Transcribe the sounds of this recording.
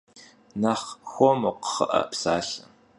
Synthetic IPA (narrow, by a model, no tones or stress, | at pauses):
naχxʷomoqə̥χəʔɐ̰psaːɬɐ